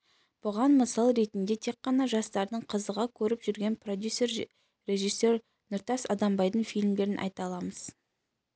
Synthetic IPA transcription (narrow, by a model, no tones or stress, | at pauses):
b̥ʊʁɑnməsɑlˠɾe̞t̪ɪnd̪e̞t̪ʰe̞k̚qːɑnɑʒɑst̪ɑɾd̪əɴqʰəzəʁɑkʲʰɵɾɪpʒʏɾɡʲe̞npro̞d̪ʲjuser | re̞ʒijsːo̞r | nʊɾt̪ɑsɑd̪ɑmbɑjd̪əɴfʲijlʲmd̪ʲe̞ɾɪnʔɑ̰jt̪ɑlˠɑməz̥